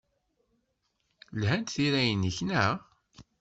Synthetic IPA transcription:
lhænt̪θiɾæjənːəçnæ

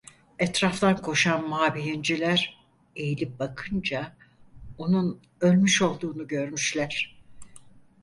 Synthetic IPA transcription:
ɛt̪ɾaft̪ʰankʰo̞ʃanmaːbiɾind͡ʒilʲæɾ | e̞jilʲip̚bakʰɯnd͡ʒa | o̞nun | ø̞lʲmyʃo̞lˠd̪uːnuɟø̞ɾmyʃlʲæɾ̥

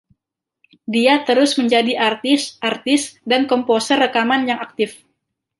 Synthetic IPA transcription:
diat̪əɾʊsməɲd͡ʒadiʔart̪ɪsʔart̪ɪsdankɔmposərːəkamanjaŋak̚t̪ɪf

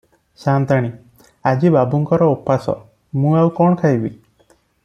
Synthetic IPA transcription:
sant̪aɽ̃i | ad͡ʒibabuŋkɔɾɔupːasɔ̰ | mũawkɔɳɔkʰaɦjbi

